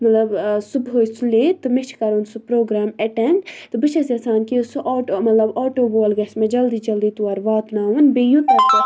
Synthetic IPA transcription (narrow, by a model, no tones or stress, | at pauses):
mɐt̪lɐbsubɦoːjsuleːt̪ɨmit͡ʃʰkɐɾunsupɾoːɡɾaːmɐʈeɳɖt̪ɨbɨt͡ʃʰɐsɐsaːnkisuʔaːʈomɐt̪lɐbaːʈoːboːlɡɐsmed͡ʒɐld̪iːd͡ʒɐld̪iːt̪uɐɾʋaːt̪naːʋɨnbejut̪ɐt̪ɐ